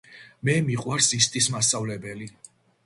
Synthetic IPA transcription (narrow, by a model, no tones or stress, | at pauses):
mɛmiqʼwaɾsist̪ʼismasʼavlɛbɛli